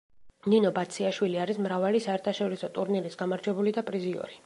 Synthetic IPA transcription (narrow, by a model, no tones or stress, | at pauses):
ninɔbat̪sʰiaʃwiliaɾismɾavalisaɛɾt̪ʰaʃɔɾisɔt̪ʼuɾniɾisɡ̥amaɾd͡ʒwɛbulid̪apʼɾiziɔ̰ɾi